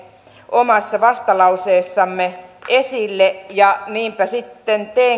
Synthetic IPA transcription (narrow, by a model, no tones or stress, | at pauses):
ʔomɑsːɑʋɑst̪ɑlɑuseːsːɑmːeʔesilːejɑniːmpæsit̪ːent̪eː